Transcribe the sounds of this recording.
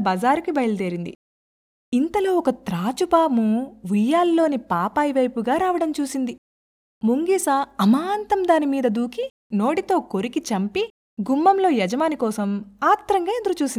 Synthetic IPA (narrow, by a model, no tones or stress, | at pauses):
bɐzaːɾukibɐjlɐd̪eːɾind̪ḭ | int̪ɐloːɔkɐt̪ɾaːt͡ʃupaːmuʋujːaːlːo̞ːnipaːpaːjʋɐjpuɡaːɾaːʋɐɽɐmt͡ʃuːsind̪i | muŋɡiːsɐɐmaːnt̪ɐmd̪aːnimiːd̪ɐd̪uːki | no̞ːɽit̪o̞ːko̞ɾikit͡ʃɐmpi | ɡumːɐmlo̞ːjɛd͡ʒɐmaːnikɔːsɐmaːt̪ːɾɐŋɡaːed̪ɐɾut͡ʃuːsin